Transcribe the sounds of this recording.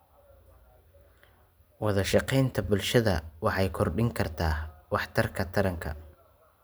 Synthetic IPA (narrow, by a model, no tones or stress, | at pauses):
wɑðɐʃɑqɛjnt̪ʰɐbʊlʃɐðɐwɑħɑjkʰɔrɖɪŋkʰɐrt̪ʰaːwɑħt̪ʰɐrkʰɐt̪ʰɐɾɐŋkʰɐ̰